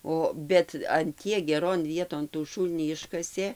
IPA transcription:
ˈoː ˈbʲɛt ɐn ˈtʲiɛk ɡʲɛˈroːn ˈʋʲiɛtoːn tuː ˈʃuːlʲnʲiː ˈɪʃkɐsʲeː

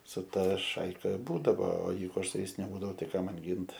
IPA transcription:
sʊ ˈtɑːˈʃɐɪkɐ ˈbuːdɐʋoː oː ˈjɛɪɡʊ ˈɐʃ sʊ ˈjɛɪs nʲɛˈbuːdɐʋʊ tɐɪ ˈkɑː ˈmɐn ˈɡʲɪnt

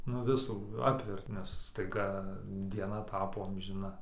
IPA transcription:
nʊ ˈʋʲɪsuː ˈɑːpʲʋʲɛrt nʲɛs stɐɪˈɡɐ dʲiɛˈnɐ ˈtɑːpoː ɐmʲʒʲɪˈnɐ

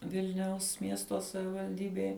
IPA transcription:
ˈʋʲɪlʲnʲɛʊs ˈmʲiɛstoː sɐʋʲɪʋɐlʲˈdʲiːbʲeːj

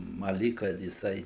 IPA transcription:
ˈmɐ ˈlʲiːk kɐt jɪˈsɐɪ

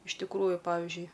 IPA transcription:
ɪʃ tʲɪkˈruːjʊ ˈpɑːʋʲɪʒʲʊɪ

